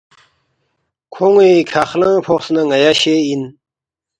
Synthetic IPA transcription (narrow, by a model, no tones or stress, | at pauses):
kʰoŋekʰaχlãpʰoχsnaŋajaɕein